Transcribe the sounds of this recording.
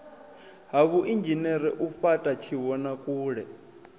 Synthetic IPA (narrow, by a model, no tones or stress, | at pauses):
ɦaβuʔind͡ʒʱinɛɾɛʔufatʼat͡ʃʰiβɔnakʼuːɺɛ